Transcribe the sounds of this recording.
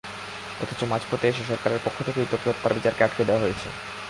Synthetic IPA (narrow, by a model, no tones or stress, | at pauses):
ɔ̰t̪ʰo̥t͡ɕomad͡ʑpot̪eʃ̬eʃɔɾkaɾeɾpokʰːot̪ʰekeit̪ot̪ɾot̪paɾbit͡ɕaɾkeaʈked̪eoaɦojet͡ɕʰḛ